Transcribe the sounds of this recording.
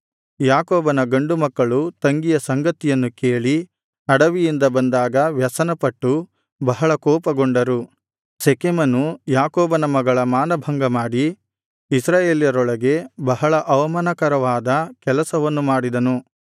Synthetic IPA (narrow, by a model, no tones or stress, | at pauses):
jaːkɔːbɐnɐɡɐɳɖumɐkːɐɭut̪ɐŋɡijɐsɐŋɡɐt̪ijɐnːuke̞ːɭi | ɐɽɐʋijind̪ɐbɐnd̪aːɡɐʋjɐsɐnɐpɐʈːu | bɐɦɐɭɐkɔːpɐɡoɳɖɐɾu | sekemɐnujaːkɔːbɐnɐmɐɡɐɭɐmaːnɐbʱɐŋɡɐmaːɽi | isɾaːjeːljɐɾɔɭɐɡe̞bɐɦɐɭɐʔɐʋɐmɐnɐkɐɾɐʋaːd̪ɐkɛlɐsɐʋɐnːumaːɽid̪ɐnu